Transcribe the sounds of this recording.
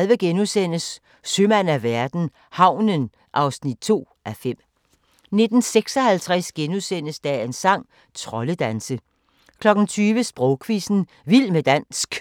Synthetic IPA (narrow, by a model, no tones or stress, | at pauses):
lʋəɡ̥enusen̰əsː | ømænæʋæɐd̥n̩ | hɑ̈ʊ̰nən | ʔɑ̈ʊsnid̥̚t͡sʰo̝̰ːʔæfem̰ | ne̝d̥n̩seɡ̥sɒ̽hælt͡sʰʁɛsɡ̥enusen̰əsd̥æensɑ̈ŋ̰ | t͡sʰʁɒ̽ləd̥ænsə | kʰlɒ̽ɡ̥n̩t͡sʰyːʋəsb̥ʁɔʊkʰʋisn̩ | ʋil̰med̥æn̰sɡ̥